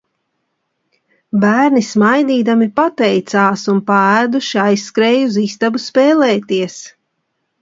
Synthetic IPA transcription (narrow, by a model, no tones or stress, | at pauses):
bæːɾnismajd̪iːd̪amipat̪ɛjt̪saːsunpaæːd̪uʃiajsːkɾɛːjuzist̪abuspɛːlɛːt̪iɛs